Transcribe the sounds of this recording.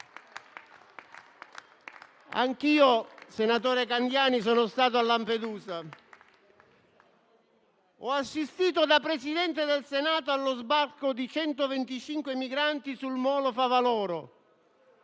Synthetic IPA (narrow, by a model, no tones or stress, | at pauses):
a̰ŋkiːosenat̪ɔːɾekand̪jaːnis̬ɔːnost̪aːt̪̬oalːamped̪uːza | ɔasːist̪iːt̪od̪apɾesid̪ɛnt̪ed̪elsenaːt̪oalːozbarkod̪it͡ʃɛnt̪ovent̪it͡ʃiŋkwemiɡɾant̪isulmɔːlofavalɔːɾʊ